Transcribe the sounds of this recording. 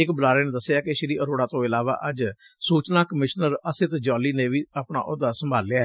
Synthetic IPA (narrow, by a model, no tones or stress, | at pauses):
ɪkbəlaːɾeːneːd̪əsːjaːkɪʃɪɾiːʔəɾoːɽaːt̪õːɪlaːʋa̰ːʔəd͡ʒ | suːt͡ʃnaːkəmɪʃnəɾəsɪt̪d͡ʒɔːliːnẽːʋiːapɳa̰ːʔʊd̪aːsəmbʱaːlːɪjaː